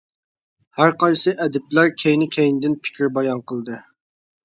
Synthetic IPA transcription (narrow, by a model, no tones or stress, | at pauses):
hæɾqɑjsɨʔɛd̪ɪp̚læɾkʲʰejnɪkʲʰɛjnɪd̪ɪnpʰɪ̥kʲʰiɾbɑjɑnqʰəlˠd̪ɨ